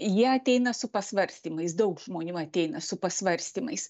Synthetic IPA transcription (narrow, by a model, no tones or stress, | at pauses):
jiɛɐt̪ʲɛɪnɐsʊpɐsʋɐɾʲsʲt̪ʲiːmɐɪsd̪ɐʊkʒmoːnʲʊɐt̪ʲɛɪnɐsʊpɐsʋɐɾʲsʲt̪ʲiːmɐɪs